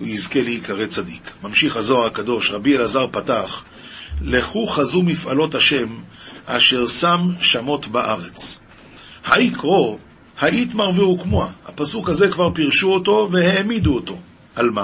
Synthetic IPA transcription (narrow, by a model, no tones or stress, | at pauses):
uizke̞leikʰaʁet͡sad̪ikmamʃiχhazo̞aʁakad̪o̞ʃʁabielazaʁpataχ | leχuχazumifalo̞thaʃe̞maʃe̞ʁsamʃamo̞t̪baʔaʁet͡s | haikʁo̞ | haʔit̪maʁviukmoahapasukhaze̞kvaʁpiʁʃuoto̞veheːmid̪uoto̞ | ʔalma